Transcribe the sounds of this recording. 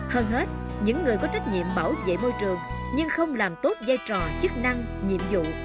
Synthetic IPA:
həː˧nɦe˦˥t̚ | ɲɨ̰˧˥ŋːɨ˨˩əjkɔ˨˦t͡ɕa˦˥jk̟̚ɲḭ˧˨əmɓaː˧˩wzḛ˧˨mo˧jt͡ɕɨ˨˩əŋɲɨ˧ŋxə˧wŋ͡mlaː˨˩mt̪o˦˥t̚za˧jt͡ɕɔ˨˩t͡ɕɨ˦˥k̚na˧ŋ | ɲḭ˧˨əmzṵ˧˨

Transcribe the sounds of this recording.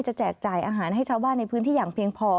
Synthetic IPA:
t͡ɕa˨˩t͡ɕɛː˨˩k̚t͡ɕaː˨˩jʔaː˧ɦaː˩˦nhɦa˥˩jt͡ɕʰaː˧˩baː˥˩nːa˧jpʰɯː˦˥nt̪ʰiː˥˩jaː˨˩ŋpʰi˧əŋpʰɔː˧

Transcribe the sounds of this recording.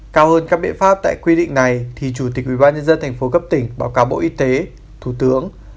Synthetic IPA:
kaː˧whəː˧nkaː˦˥k̚ɓḭ˧˨nfaː˦˥p̚t̪a̰ː˧˨jkwi˧ɗḭ˧˨ŋ̟na˨˩jt̪ʰi˨˩t͡ɕu˧˩t̪i˨˩k̟̚wi˧˩ɓaː˧nɲə˧nzə˧nt̪ʰɛ˨˩jŋ̟fo˨˦kə˦˥p̚t̪ï˧˩ŋ̟ɓaː˨˦wkaː˨˦wɓo̰˧˨ʔi˧t̪e˨˦ | t̪ʰu˧˩t̪ɨ˨˦əŋ

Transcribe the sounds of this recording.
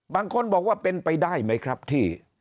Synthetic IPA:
baː˧ŋkʰo˧nbɔː˨˩k̚waː˥˩pe˧npa˧jdaː˥˩jma˦˥jkʰɾa˦˥p̚t̪ʰiː˥˩

